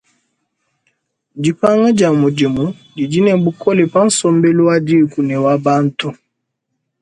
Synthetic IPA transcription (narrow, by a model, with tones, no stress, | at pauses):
d͡ʒi˨pa˦ŋa˦d͡ʒa˨mu˨d͡ʒe˨mu˨˦di˨d͡ʒi˦nɛ˨bu˦kʰɔ˦le˨pa˦n̩˦sɔ˦mbe˦lo˦wa˦di˦˨ku˨nɛ˨wa˦ba˦n̩˦tu˦